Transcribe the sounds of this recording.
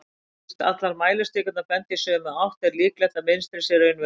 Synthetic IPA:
t̪a̰t̪laɾmaːjlɪst̪ɪːkʏnapɛn̥t̪ɪsœmawht̪ɛɾliːklɛht̪amɪnst̪ɾɪsɛɾʏʏnv

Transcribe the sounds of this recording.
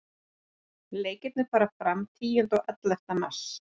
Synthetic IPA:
leːjcɪt̪nɪ̥faːɾafɾamt̪ʰiːjɪnt̪ɔɣʔɛt̪lɛft̪anas

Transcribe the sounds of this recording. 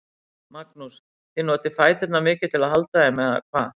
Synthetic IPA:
maknus | θɪnɔːt̪ɪfaːjt̪θɛt̪namɪːcɪɾ̥t̪ʰɪlaðhalt̪aðɪmɛða̰kʰva̰ː

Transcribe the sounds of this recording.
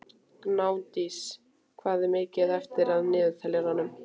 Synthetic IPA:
knaːwnt̪is | kʰvaːðɪmeːcɪðɛft̪ɪɾaðnɪːðt̪ʰɛlɛɾanːʏm

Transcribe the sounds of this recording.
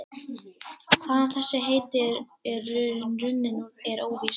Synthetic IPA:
kʰvaːðanθɛsːɪɦeːjt̪ɪɾ | rʏnrʏnːɪnʏmɛɾoːwvis

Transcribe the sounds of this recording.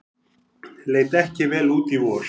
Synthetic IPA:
lejt̪ɛhcɪʋɛːluːt̪iwoːʃ

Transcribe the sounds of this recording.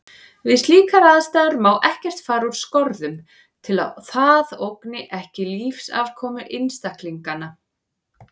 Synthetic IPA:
vɪðst̪liːkaɾaːðst̪aːðʏɾmaːwʔɛhcɛr̥t̪faːɾuɾ̥skɔɾðʏm | t̪ʰɪla̰θaðowknɪʔɛhcɪliːfsa̰vkʰɔːmʏʔɪnst̪akliŋkana

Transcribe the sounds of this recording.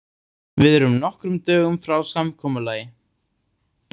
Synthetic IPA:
vɪðɛɾʏmnɔhkɾʏmt̪œːɣʏmfɾawsamkʰɔːmʏlaːjɪ

